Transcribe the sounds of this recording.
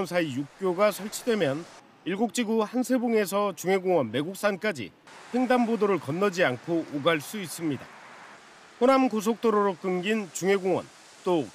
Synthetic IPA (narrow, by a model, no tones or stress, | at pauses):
nsʰaijuk̚k͈joɡasʰʌɭt͡ɕʰidwe̞mjʌn | iɭɡok̚t͡ɕ͈iɡuhansʰe̞boŋe̞s̬ʰʌt͡ɕuŋe̞ɡoŋwʌnme̞ɡuk̚s͈ank͈ad͡ʑḭ | ɸʰe̞ŋdambodoɾɯɭkʌnːʌd͡ʑiankʰoʔːɡaɭs͈uis͈ɯmɲida̰ | ponamkos̬ʰok̚t͈oɾoɾok͈ɯŋɡint͡ɕuŋe̞ɡoŋwʌ̰n | t͈o